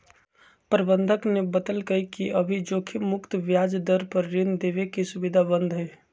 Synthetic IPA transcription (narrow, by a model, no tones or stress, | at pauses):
pɾəbənd̪ʱəknebət̪əlkəikiəbʱid͡ʒokʰimʊkt̪ʋjad͡ʒd̪əɾpəɾːind̪ebekesubid̪ʱabənd̪ʱɦɛ